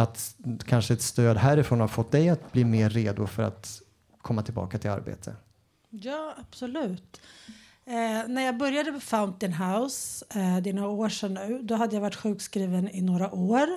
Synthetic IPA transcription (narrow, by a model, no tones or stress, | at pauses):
at̪kʰanʂəɛt̪st̪øːd̪ɦæːɾɪfɾoːnhaɾfɔt̪ːd̪ɛjat̪̚bliːmeːɾːeːd̪ʊfœɾa̰t̪ | kʰɔmːat̪ʰɪlbɑ̰ːkat̪ʰɪla̰ɾbḛːt̪ʰə̰ | jɑːab̥sɔlʉ̟ːt̪ | næɾjɑːɡbœɾjad̪əmɛfaʊnt̪ɪnɦaʊsd̪ɛnoːɾaoːʂɛnːʉ̟ːd̪ɔɦad̪ːəjavaʈːɧʉ̟ːkskɾiːvənɪnoːɾaʔoːɾ